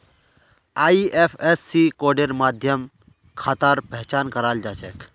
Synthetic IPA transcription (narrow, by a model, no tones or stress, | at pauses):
aːiʔepʰesːikoːɖeɾmaːd̪ʱjəm | kʰaːt̪aɾpɛɦt͡ʃaːnkəɾaːld͡ʒaːt͡ʃek